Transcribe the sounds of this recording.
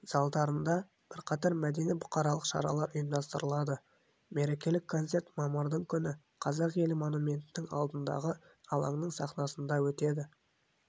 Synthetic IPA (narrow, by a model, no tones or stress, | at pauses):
z̥ɑlˠd̪ɑɾənd̪ɑ | b̥ɪɾqʰɑt̪ɑɾmæd̪e̞nijbʊqɑɾɑlˠəqʃɑ̰ɾɑ̰lˠɑɾʊjəmd̪ɑst̪əɾəlˠɑd̪ə | me̞ɾe̞kʲe̞lɪkʰːo̞nt̪se̞ɾt̪mɑmɑɾd̪əɴkʲʰʏnɪ | qʰɑzɑqje̞lɪmo̞numʲe̞nt̪ɪnɪŋɑ̰lˠd̪ənd̪ɑ̰ʁə | ɑlˠɑɴnəɴsɑqnɑsənd̪ɑwɵt̪e̞d̪ɪ